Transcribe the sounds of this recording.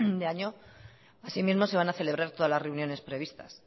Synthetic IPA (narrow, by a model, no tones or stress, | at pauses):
d̪eaɲo̞ | asimizmo̞se̞β̞anaθe̞le̞β̞ɾaɾt̪oðazlazre̞unjo̞ne̞spɾe̞β̞ist̪as